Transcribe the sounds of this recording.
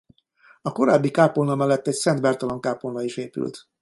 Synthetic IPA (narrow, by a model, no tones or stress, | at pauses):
ɒko̞ɾaːbːikaːpolnɒmɛlːɛt̪ːɛcsɛnd̪bɛrt̪ɒloŋkaːpolnɒiʃeːpy̰lt̪